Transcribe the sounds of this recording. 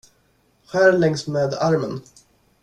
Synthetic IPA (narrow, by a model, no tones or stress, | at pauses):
ɧæːɾlɛŋsmeːd̪aɾmən